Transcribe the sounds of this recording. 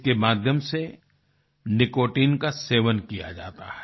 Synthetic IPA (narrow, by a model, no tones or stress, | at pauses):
kemaːd̪ʱjəmse | nɪkoːʈiːnkaseːʋənkija̰d͡ʒa̰ːt̪a̰hɛ̥